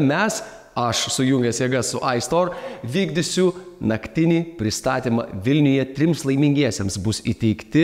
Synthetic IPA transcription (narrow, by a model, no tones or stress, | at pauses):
mʲɛs | ɐʃsʊjʊŋʲɡʲɛsjɛːɡɐssʊʔɐɪst̪oːɾʋʲiːɡd̪ʲɪsʲuː | nɐkʲt̪ʲɪnʲiːpʲɾʲɪst̪ɑːt̪ʲiːmɐ̰ʋʲɪlʲnʲʊjɛt̪ʲɾʲɪmslˠɐɪmʲɪŋʲɡʲiɛsʲɛmsbʊsḭt̪ʲɛɪkt̪ʲɪ